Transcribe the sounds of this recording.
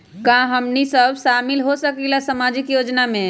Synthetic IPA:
kãɦəmnisəbʃamilɦosəkilasəmad͡ʒikjod͡ʒname

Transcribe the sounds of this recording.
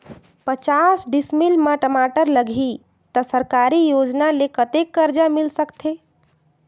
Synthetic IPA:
pət͡ʃasɖismilməʈəmaʈəɾləɡʱi | t̪əsəɾkaɾijod͡ʒnalekət̪ekːəɾd͡ʒamilsəkt̪ʰe

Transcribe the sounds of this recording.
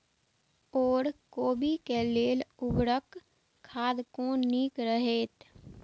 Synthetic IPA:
ɔːɾkoːbikeleːlʊbɾək | kʰːaːd̪kõniːkɾəɦeːt̪

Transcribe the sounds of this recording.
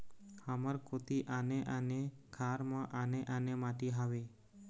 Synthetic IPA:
haməɾkʰot̪iʔaneʔənekʰaɾmãʔaneʔanemaʈiɦaʋe

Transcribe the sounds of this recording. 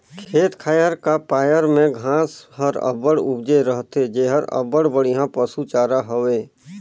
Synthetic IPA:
kʰeːt̪kʰaːjəɾkapaːjəɾmẽɡʱãːsɦəɾə̰bəɽʊbd͡ʒeɾəɦt̪ed͡ʒeːɦəɾə̰bəɽbəɽijɦãpəsut͡ʃaːɾaɦoʋeː

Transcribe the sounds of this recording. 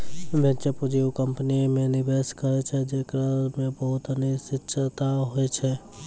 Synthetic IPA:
bʱẽt͡ʃəpud͡ʒiwkəmpnimẽnɪbeskəɾet͡ʃʰɛd͡ʒekɾamẽbəɦʊt̪ənisɪtːʃʰt̪aɦojt͡ʃʰɛ

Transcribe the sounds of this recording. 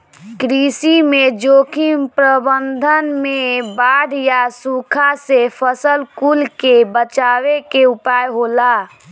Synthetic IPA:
kɾisimed͡ʒokʰimpɾəbənd̪ʱənmebaɽjasukʰasepʰəsəlkulkebət͡ʃawekeupajɦola

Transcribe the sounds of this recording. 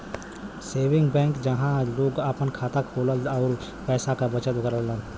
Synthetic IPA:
seːʋɪ̃ŋɡbɛ̃ːŋkd͡ʒɐɦãloːɡəpənkʰaːt̪akʰoːləlɔːɾ | pɛːsakabət͡ʃət̪ʊkəɾəlːən

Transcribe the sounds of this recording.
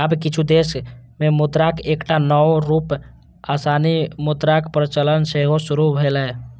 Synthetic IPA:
əbkɪt͡ʃʰud̪eːsmẽmʊd̪ɾakeːkʈanɔwɾuːp | aːsaːnimʊd̪ɾakpɾət͡ʃələnseɦosʊɾubʱelɛ

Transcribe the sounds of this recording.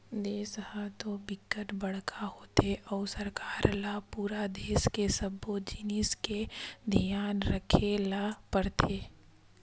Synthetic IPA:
d̪eːshãt̪obɪkːəʈbɐɽ̤kʰahoːt̪eʔɔːɾsɐɾkaːɾlapuːɾad̪eːskesəbːod͡ʒɪnɪsked̪ʱijaːnɾəkʰelapəɽt̪ʰeː

